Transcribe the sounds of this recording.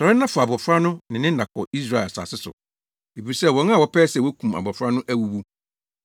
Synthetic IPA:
sɔ˨ɾɪ˦n˦ã˦fʊ˨a˨bɔ˨fɾa˦nʊ̃˦nɪ̃˨nɪ̃˦da˨kʰɔ̰˨i˦s̬ɾaː˦˨ɛ˨sa̰ː˨sɪ˦sʊ̰˨ | e˨bi˨i˨sɛ˦˨wɔ̃˨˦n˦ã˨wɔ˦pʰɛː˦sɛ˨wɔ˦kʰũ˨ma̰˨bɔ˨fɾa˦nʊ̃˦ʔæ˦wu˦wu˦

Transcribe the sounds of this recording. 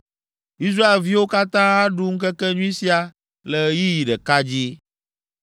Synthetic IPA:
i˦s̬ɾa˦e˨lvi˦wo˦ka˦t̪ã˦a˦ɖu˦ŋ̩˦kɛ˦kɛ˦ɲũ˦i˦si˦a˨ | lɛ˨ji˦ji˨ɖɛ˨ka˦d͡ʑi˦

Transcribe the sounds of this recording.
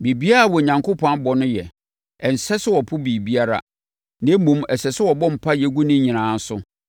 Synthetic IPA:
bi˨bi˦a˦ɾa˨wɔ˨ɲã˨ŋkʊ˦pʰɔ̃˦bɔ˨nʊ̃˦jɛ˨ | ɛ˨n̩˨sɛ˦sɪ˦wɔ˨pʰʊ˦bi˨bi˦a˦ɾa̰˦ | nɛ̃˦mũ˦mɛ˨sɛ˨sɪ˦wɔ˨bɔ̃˦m̩˨pʰa˦jɛ˨ɡu˦nɪ̃˦ɲĩ˨nãː˨˦n̩˦sʊ˦

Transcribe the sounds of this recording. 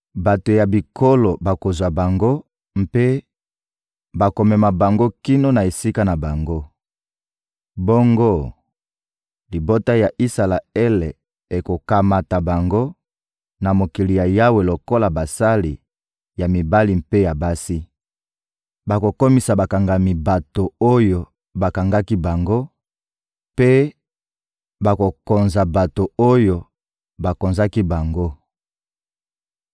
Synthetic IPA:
ba˨to˨ja˨bi˨kʰo˦lo˨ba˨ko˨zwa˨ba˨ŋɡo˦ | mpe˦ | ba˨ko˨mɛ˨ma˨ba˨ŋɡo˦ki˦no˦na˨e˨si˦ka˦na˨ba˨ŋɡo˦ | bo˦ŋɡo˦ | li˨bo˦ta˦ja˨ʔi˦sa˨la˨ɛ˦le˨ | e˨ko˨ka˨ma˨ta˨ba˨ŋɡo˦ | na˨mo˨ki˨li˨ja˨ja˦we˨lo˨ko˦la˨ba˨sa˦li˨ | ja˨mi˨ba˦li˨mpe˦ja˨ba˦si˦ | ba˨ko˨ko˦mi˦sa˨ba˨ka˨ŋɡa˨mi˨ba˨to˨o˦jo˨ | ba˨ka˨ŋɡa˦ki˦ba˨ŋɡo˦ | pe˦ | ba˨ko˨ko˨nza˨ba˨to˨o˦jo˨ | ba˨ko˨nza˦ki˦ba˨ŋɡo˦

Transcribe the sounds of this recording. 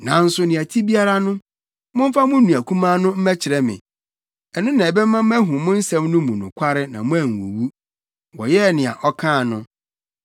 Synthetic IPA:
nã˨n̩˦sʊ˦nɪ̃˨æ˨tʰi˦bi˦a˦ɾa˦nʊ̃˦ | mʊ̃˦m̩˦fa˦mʊ̃˦nũ˨æ˨kʰũ˦mãː˦nʊ̃˦m̩˦mɛ˦t͡ɕʰɪ˨ɾɛ˦mɪ̰̃˨ | ɛ˨nʊ̃˦nã˨bɛ˦m̩ː˦ã˦m̩˦mɛ˦ɦʊ̃˨mʊ̃˦n̩˦sɛ̃˦mnʊ̃˦mʊ̃˨nʊ̰̃˨kʷʰa˦ɾɪ˦nã˨mʊ̃˦æ˨ŋ˨wṵ˨wu˦ | wɔ˨jɛ˦˨nɪ̃˨a̰˨ʔɔ˦kʰãː˦˨nʊ̃˦

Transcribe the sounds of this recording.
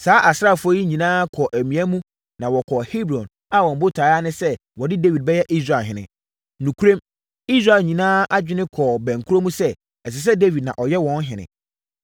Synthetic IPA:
saː˦ʔa˨sa˦˨fʊ˦ɔ˦ji˦ɲĩ˨nãː˦kʰɔ˨ʔæ˨mĩ˨æ˦mũ˦ | nã˨wɔ˨kʰɔ˨hi˦bɾɔ̃˨n | a˦wɔ̃˨m˨bʊ˦tʰa˨˦a˦nɪ̃˦sɛ˦wɔ˨dɪ˦de˦wi˨d̚bɛ˦jɛ˦ʔi˦s̬ɾa˨lɦɪ̃˨nɪ̰̃˨ | nũ˨kʰu˦ɾõ˦m | i˦s̬ɾa˨ɲĩ˨nãː˦ʔa˦d͡ʑᶣɪ˦nɪ̃˦kʰɔ˨bæ̃˨ŋ̩˨kʰu˦ɾo˦mũ˦sɛ˦ | ɛ˨s̬ɪ˨s̬ɛ˦de˦vi˨d̚nã˨ʔɔ˨jɛ˦wɔ̃˦n˦ɦɪ̃˨nɪ̰̃˨

